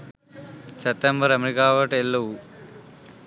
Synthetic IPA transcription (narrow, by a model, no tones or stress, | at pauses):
t͡ʃɐt̪ːɐmbɐɾɐmɾikaːʋɐʈelːɐu